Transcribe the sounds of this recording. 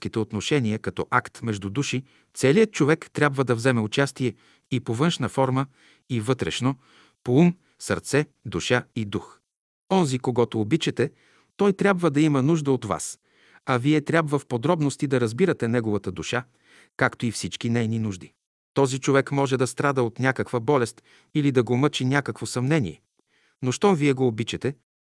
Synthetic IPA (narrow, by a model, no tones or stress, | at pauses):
kit̪ɛot̪noʃɛniəkɐt̪ɔʔakt̪mɛʒd̪ud̪uʃi | t̪sɛlijət̪̚t͡ʃovɛkt̪ɾʲabvəd̪ɐvzɛmɛʊt͡ʃast̪iɛ | ipovɤnʃnəfɔɾmə | ivɤt̪ɾɛ̰ʃno | poum | səɾt̪sɛd̪uʃaid̪ux | ɔnzikoɡɔt̪oːbit͡ʃɛt̪ɛ | t̪ɔjt̪ɾʲabvəd̪ɐimənuʒd̪əot̪va̰s | ɐviɛt̪ɾʲabvəfpod̪ɾɔbnost̪id̪ɐɾɐzbiɾɐt̪ɛnɛɡovɐt̪əd̪uʃa | kakt̪oifsit͡ʃk̟inɛjninuʒd̪i | t̪ɔzit͡ʃovɛkmɔʒɛd̪ɐst̪ɾad̪əot̪nʲakəkvəbɔlɛst̪ | ilid̪ɐɡomɤt͡ʃinʲakəkvosɐmnɛnḭɛ | noʃt̪ɔviɛɡoːbit͡ʃɛt̪ɛ